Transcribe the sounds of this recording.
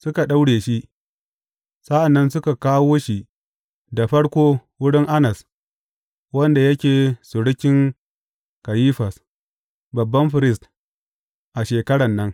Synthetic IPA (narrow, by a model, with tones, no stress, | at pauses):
sʊ˦ka˨ɗa˦wɽeː˨ʃi˦ʔ | sa˦ʔa˨nːɐ˦nsʊ˦ka˨kaː˦woː˦ʃi˦ | da˨ɸɐ˦ɽkʷoː˦wʊ˦ɽɪ˦ŋʔa˦nɐ˨s | wɐ˦nda˨jɐ˦kʲeː˨sʊ˨ɽɪ˦kʲɪ˦ŋ | ka˨jiː˦ɸɐ˨s | bɐ˨bːɐ˦mɸɪ˨ɾɪ˦st | ʔa˨ʃeː˨kɐ˦ɽɐ˨nːɐ˦ŋ